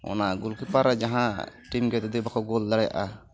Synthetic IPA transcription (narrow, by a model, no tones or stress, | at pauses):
ɔ̰naɡulkipaɾd͡ʒaɦãʈimɡɛt̪ɛd̪ibakʰɔɡɔld̪aɽaja̰ʔa̰